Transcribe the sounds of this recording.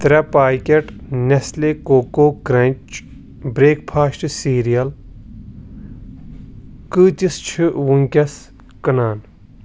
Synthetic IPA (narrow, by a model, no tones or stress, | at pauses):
t̪ɾɐpaːkʲeʈneslekoːkoːkɾɐnt͡ʃ | bɾeːkpʰaːsʈsiːɾijɐl | kɨt͡ʃist͡ʃʰiwuŋkʲɐs | kɐnaːn